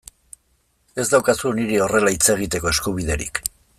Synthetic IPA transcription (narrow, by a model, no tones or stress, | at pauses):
e̞zd̪awkasuniɾio̞re̞lait͡se̞ɣ̞it̪e̞ko̞e̞skuβ̞iðe̞̰ɾḭk